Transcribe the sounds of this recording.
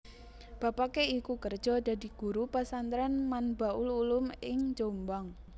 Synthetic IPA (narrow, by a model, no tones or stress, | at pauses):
b̥a̤pakeikukərd̥ʒ̥ɔ̤da̤di̤ɡ̥uɾupasant̪ɾanmanbaʔʊlulʊmɪŋd͡ʒombaŋ